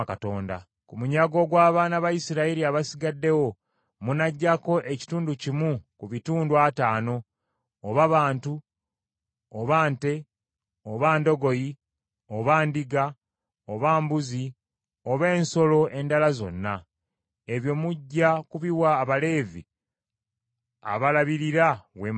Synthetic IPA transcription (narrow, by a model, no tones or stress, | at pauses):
kato̞ːnda̰ | kumuɲaɡo̞ɡwaːβaːnaβajisiɾaiɾiaβasiɡadːe̞wo̞ | munaɟːako̞ʔe̞ci̥tuːnducimukuβituːndwataːno̞ː | βaβaːntu | oβaːnte̞ | oβaːndo̞ɡo̞ji | oβaːndiɡa | oβaːmbuzi | o̞βe̞ːnso̞lo̞ʔe̞ndalazo̞̰nːa | e̞βjo̞ːmuɟːakuβiwaːβale̞ːvḭ | a̰βalaβiɾiɾawe